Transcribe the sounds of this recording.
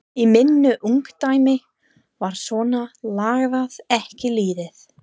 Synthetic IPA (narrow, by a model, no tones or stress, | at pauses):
imɪnːʏʔuŋkt̪aːjmɪ | vaɾ̥svɔːnalaːɣðaðɛhcɪliːðɪθ